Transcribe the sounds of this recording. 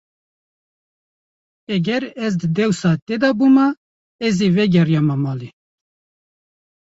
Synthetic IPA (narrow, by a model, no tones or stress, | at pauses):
ɛɡɛɾɛzd̪ɨd̪ɛwsɑːt̪ed̪ɑbuːmɑ | ɛziːvɛɡʲɛrjɑmɑmɑːli